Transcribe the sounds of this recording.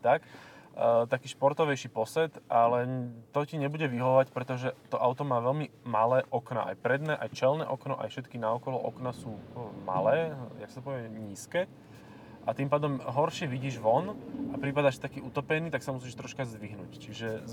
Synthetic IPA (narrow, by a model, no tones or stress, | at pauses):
t̪ak | t̪akiːʃpɔɾt̪ɔʋɛjʃiːpɔsɛt̪ʔalɛt̪ɔciɲɛbuɟɛʋiɦɔʋacpɾɛt̪ɔʒɛt̪ɔʔaʊt̪ɔmaːʋɛlmimalɛːʔɔkna̰ʔa̰jpɾɛd̪nɛːʔajt͡ʃɛlnɛ̰ːʔɔknɔʔa̰jfʃɛt̪kinaɔkɔlɔʔɔknasuːma̰lɛːja̰ksat̪ɔpɔʋɛɲiːskɛː | ʔat̪impaːd̪ɔmɦɔɾʃɪɛʋiɟiːʒʋɔnʔapɾipad̪aːʃt̪akiːʔut̪ɔpɛniːt̪aksamus̬iːʃt̪ɾɔʃkazd̪ʋiɦnṵːct͡ʃiʒɛ